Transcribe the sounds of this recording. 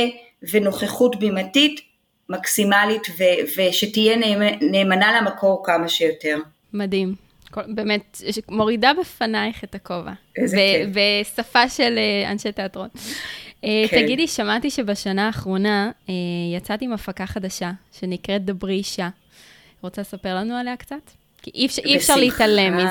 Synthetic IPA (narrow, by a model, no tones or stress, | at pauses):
veno̞χeχutbimatit | maksimalitveveʃetijenneːmanalamakʰoʁkamaʃejote̞ʁ | madim | kobemetmo̞ʁidabefanajχetakova̰bebesafaʃelea̰nʃeteatʁo̞n | eaɡɡidiʃamatiʃebaʃanaːχʁo̞naejat͡satiimafakaχadaʃaʃe̞nikʁe̞t̚d̪abʁiʃa | ʁo̞t͡salesapeʁlanualeakt͡sat | kiʔifiɛfʃaʁleiftalemi